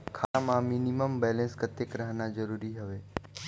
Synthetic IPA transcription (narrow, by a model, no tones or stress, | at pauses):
kʰaamãminiməmbɛlẽnsɡət̪jekɾəɦnad͡ʒəɾuɾiɦəʋe